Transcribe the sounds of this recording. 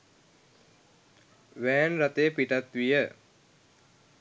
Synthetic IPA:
ʋæːnɾat̪ejpiʈat̪ʋijə

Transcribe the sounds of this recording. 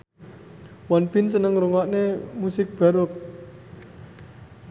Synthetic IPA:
wɔnpinsənəŋɾuŋɔʔnemusɪk̚b̥a̤ɾʊt̪̚

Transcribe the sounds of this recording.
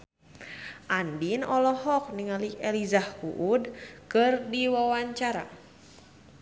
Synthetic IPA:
ʔandinɔlɔhɔk̚niŋaliɛlizahkṵʔudkɨrdiwawaɲt͡ʃaɾa̰

